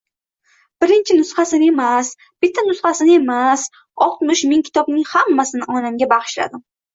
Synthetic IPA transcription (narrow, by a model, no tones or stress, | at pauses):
b̥ɪɾɪnt͡ʃʰɪnʊsχasɪnɪe̞mas | b̥ɪt̪ʰːanʊsχasɪnɪe̞mas | ɒqnʊʃmɪŋkʲʰɪ̥t̪ʰɒbnɪŋhamːasɪnɪʔɒnamɡʲabaʁɨ̥ʃla̰d̪ɪm